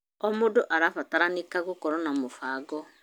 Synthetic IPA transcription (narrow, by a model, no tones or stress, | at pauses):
ɔmodoʔaɾafataɾanekaɣokɔɾɔnamofaːɡɔ